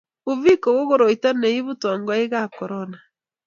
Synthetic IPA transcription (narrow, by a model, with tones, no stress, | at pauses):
o˨vi˦ko˨ɣo˦ɣo˨ɾo˨i˨ta˦ne˨i˦βu˦tɔ˨ŋɡɔ˦e˦ɣa˦kɔ˨ɾɔna